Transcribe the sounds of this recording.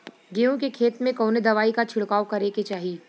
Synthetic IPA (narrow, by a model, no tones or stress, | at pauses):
ɡeːõkekʰeːt̪mẽkoːned̪ɐʋaːikat͡ʃʰɪɽkaːwkɐɾeket͡ʃaːɦiː